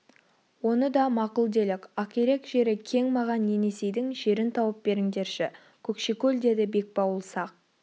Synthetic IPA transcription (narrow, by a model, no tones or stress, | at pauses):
wo̞nəd̪ɑmɑqʊlˠd̪e̞lɪkʲɑkʲeɾe̞kʒ̥e̞ɾɪkʲʰe̞ŋmɑʁɑnːe̞ne̞se̞jd̪ɪŋʒe̞ɾɪnt̪ʰɑwəp̚be̞ɾɪŋd̪e̞ɾʃɪ | kʲʰɵkʃekʲɵld̪e̞d̪ɪbe̞k̚pɑwəlˠsɑq̚